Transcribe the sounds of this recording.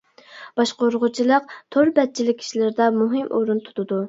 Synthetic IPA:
b̥ɑʃqoɾʁʊt͡ʃʰilˠəq̚t̪ʰoɾbɛt̪̚t͡ʃʰilɪkʲʰi̥ʃilɪɾɪd̪ɛmuɦɪmʔoɾunt̪ʰu̥t̪ʰɨd̪u

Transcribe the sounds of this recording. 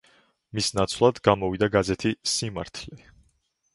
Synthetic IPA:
misnat̪sʰlˠad̪ɡamɔvid̪aɡazɛt̪ʰisima̰ɾt̪ʰlɛ

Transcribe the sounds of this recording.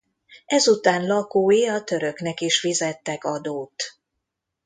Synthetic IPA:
ʔɛzut̪aːnlɒkoːjiɒt̪ø̞ɾø̞knɛkiʃʋizɛt̪ːɛkɒd̪oːt̪

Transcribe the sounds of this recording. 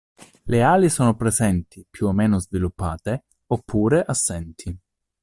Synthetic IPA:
leaːlisoːnopɾezɛnt̪ʰipjuomːeːnozvilupːa̰ːt̪e | opʰːuːɾeʔasːɛnt̪ʰi

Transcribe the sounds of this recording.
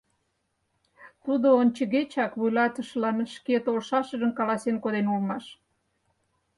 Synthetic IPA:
t̪ud̪oonʲt͡ɕəɣet͡ɕɑkβujlɑt̪ə̆ʃlɑnʃket̪olʃɑʃəʒə̆nkɑlɑsenkod̪enulmɑʃ

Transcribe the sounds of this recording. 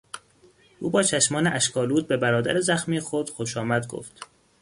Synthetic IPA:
ʔuːbɒːt͡ʃʰæʃmɒːneʔæʃkʰɒːluːt̪̚be̞bæɾɒːd̪æ̰ɾezæxmiːexod̪̥xoʃɒːmæd̪ɡo̰ft̪

